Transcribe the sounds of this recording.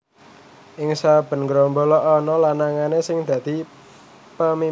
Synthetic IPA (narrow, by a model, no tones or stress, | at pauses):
ʔɪŋsab̥ə̤nɡɾɔmbɔlɔʔɔnɔlanaŋanesɪŋd̪̥ä̤d̪̥i̤ | pəmi